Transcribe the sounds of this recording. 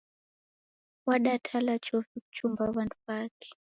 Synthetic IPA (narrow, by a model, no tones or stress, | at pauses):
waɗatʰalat͡ʃɔfiku̥t͡ʃumbaβantuβaːkɛ̥